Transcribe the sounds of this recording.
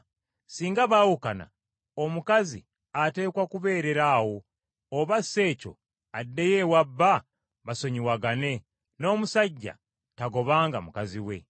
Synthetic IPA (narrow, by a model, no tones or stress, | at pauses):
siːŋɡaβaːwukana̰ | omukazḭ | ate̞ːkwakuβe̞ːɾe̞ɾawo̞ː | βasːe̞ːco̞̰ | adːejewabːa | βaso̞ɲiwaɡane̞ | no̞ːmusaɟːa̰ | taɡo̞βaːŋɡamukaziwe̞̰